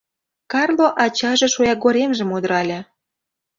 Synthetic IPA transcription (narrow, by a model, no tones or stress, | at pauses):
kɑrlˠoʔɑt͡ɕɑʒĕʃojɑɡoɾʲemʒə̆mud̪əɾɑlʲĕ